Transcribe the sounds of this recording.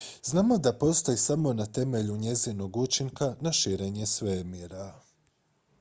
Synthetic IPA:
znaːmo̞d̪apo̞st̪ojisamo̞nat̪e̞me̞ʎuɲe̞zino̞ɡut͡ʃiŋkanaʃiɾe̞ɲe̞sʋemjeɾa

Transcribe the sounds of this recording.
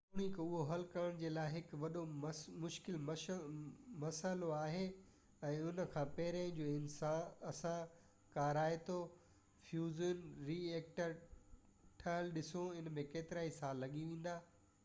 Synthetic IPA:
oɽ̃ikoʊɦoɦɐlkɐɾəɽ̃d͡ʑeːlaːɪɦɪkʋɐɗomʊʃkɪlm | mɐsəloaːɦeː | ɛ̃ːʊnə̆kʰãːpɐɦɪɾaːɪ̃d͡ʑoːɪnsaːnɐsã | kaːɾaːet̪o | fjuːzənɾiːeːk̚ʈəɾ | ʈʰaːlɗɪsoɪnmẽkeːt̪ɪɾaːisaːlːɐɠiʋẽːn̆d̪aː

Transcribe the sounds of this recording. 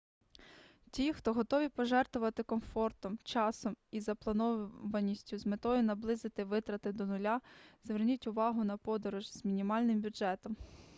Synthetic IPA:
tʲixt̪ɔɦɔt̪ɔʋʲipɔʒɛrt̪ʋʊʋɐt̪ɪkɔmfɔrt̪ɔmt͡ʃɑsɔmizɐplˠɐnɔʋɐnʲːisʲtʲʊzmet̪ɔjʊnɐblˠɪzɪt̪ɪʋɪt̪ɾɐt̪ɪd̪ɔnʊlʲazʋernʲitʲʊʋɑɦʊnɐpɔd̪ɔɾʊʒzmʲinʲimɑlʲnɪmbʲʊʒɛt̪ɔm

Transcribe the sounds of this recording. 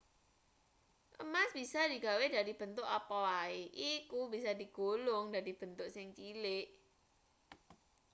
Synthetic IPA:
ʔəmasb̥isadi̤ɡa̤weda̤dib̥ə̤nt̪ʊʔapɔwaeʔikubisadi̤ɡ̥olʊŋdadib̥ə̤nt̪ʊʔsɪŋt͡ʃilɪʔ

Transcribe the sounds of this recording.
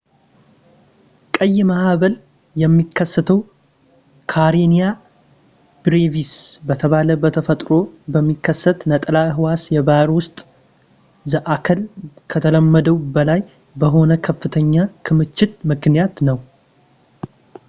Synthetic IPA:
kʼəjːmaaβəl | jɛmːikʰːəsːət̪ʰəw | kʰaɾenija | b̥ɾevisbət̪ʰəβaləbət̪ʰəfət̪ʼɾo̞bəmːikʰːəsːət̪nət̪ʼlaɨɦɨwasjɛbaɾwʊst̪ʼ | zəʔakʰəlkʰət̪ʰələmːəd̪əwbəlaj | bəɦo̞nəkʰəfːɨt̪ʰəɲːakʰɨmɨt͡ʃːɪt̪mɨknijat̪nəw

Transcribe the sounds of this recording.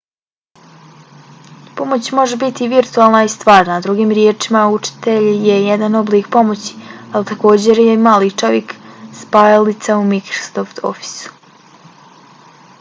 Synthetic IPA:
po̞mo̞t͡ɕmo̞ʒebit̪iʋiɾt̪ualˠnaist̪ʋaːɾnad̪ɾuɡiːmɾjet͡ʂimaut͡ʂi̥t̪e̞ʎjejed̪ano̞bliːkpo̞mo̞t͡ɕi̥alit̪ako̞ːd͡ʑe̞ɾjemaːlit͡ʃo̞ʋjekspaːjalit̪saumikɾo̥soft̪ʰo̰fi̥su̥

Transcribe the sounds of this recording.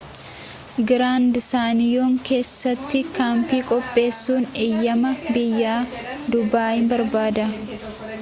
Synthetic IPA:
ɡɪɾaːnd̪saːnɪjoːŋkʰe̞ːsːɐt̪ːɪkaːmpiːkʼɔpʼːe̞ːsːuːnejːɐmɐbɪjːaː | d̪ʊbaːʔɪmbɐɾbaːd̪ɐ

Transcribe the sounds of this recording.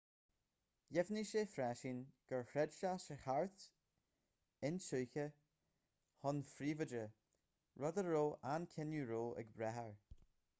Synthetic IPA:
jɛvniʃəfɾɛʃiːnɡ̥əɹhɾɛdʃaʃəxaɹt̪ | ɪnsuːkə | hɔnfɾiːvədə | ɹɔðəːoːʔankʰɪnjuɹoːʔɛ̰ɡbɾɛɦəɹ

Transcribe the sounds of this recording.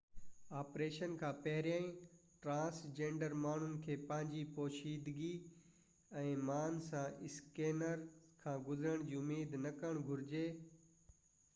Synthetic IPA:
aːpɾeːʃənkʰãːpɐɦɾjaːĩʈɾãːsd͡ʑẽːɳɖəɾmaːɳ̤ʊnɪ̆kʰeːpɐ̃ɦɪ̃ɲd͡ʑipoːʃiːd̪ɡi | ɛ̃ːmaːnsãʔɪskeːnəɾkʰãːɡʊzɾəɽ̃d͡ʑiːʊmeːd̪nɐkəɽ̃ɡʱʊɾɪd͡ʑeː

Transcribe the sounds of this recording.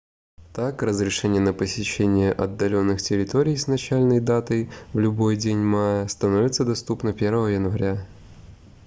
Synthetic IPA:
t̪akrəzɾʲɪʂɛnʲɪjənəpəsʲɪɕːenʲɪjəʔɐd̪ːɐlʲonːɨxtʲɪɾʲɪt̪oɾʲɪjsnɐt͡ɕælʲnəjd̪at̪əjvlʲʊbo̞jdʲenʲmajəst̪ɐno̞vʲɪt̪səd̪ɐst̪upnəpʲervəvəjənvɐɾʲa

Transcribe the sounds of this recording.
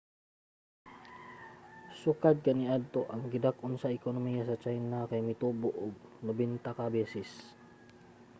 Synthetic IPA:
sukad̪̚kaniad̪̚t̪oʔɐŋɡɪd̪akʔʊnsaɪkonomijasɐt͡ʃajnakajmɪt̪uːboʔʊɡ̚nʊbɛnt̪akabɛːsɪs

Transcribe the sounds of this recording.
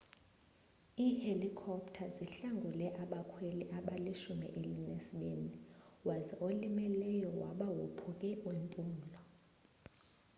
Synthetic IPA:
iːhelikʰɔptʰaziɬaŋɡʱulɛʔaɓakʰweliʔaɓaliʃumḭʔelinesiɓeniwazɛʔolimɛlɛjɔwa̰ɓawupʰuk̬ʼɛwempʼuːm̩lɔ

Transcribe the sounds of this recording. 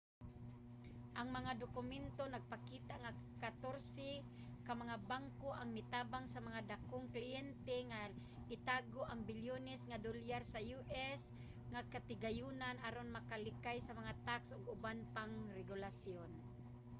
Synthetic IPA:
ʔaŋmɐŋad̪okʊmɛnt̪onaɡ̚pakiːt̪aʔŋakat̪oɾsɛ | kamaŋabaŋkoʔaŋmɪt̪aːbaŋsamaŋad̪akoŋklɪɛnt̪ɛŋa | ʔɪt̪aːɡoʔaŋbɪljonɛsŋad̪oljaɾsajuʔɛs | ŋakat̪ɪɡajuːnanʔaɾonmakalɪkajsɐmaŋat̪aksʔʊɡʊbanpaŋɾɛɡʊlasjon

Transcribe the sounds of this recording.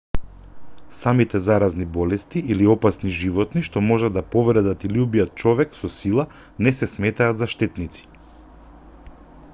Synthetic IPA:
samit̪ɛzaɾaznibɔlɛst̪iʔiliɔpasniʒivɔt̪niʃt̪ɔmɔʒad̪apɔvɾɛd̪at̪iliubijat̪̚t͡ʃɔvɛksɔsilˠa | nɛsɛsmɛt̪aːt̪zaʃt̪ɛt̪nit̪si̥

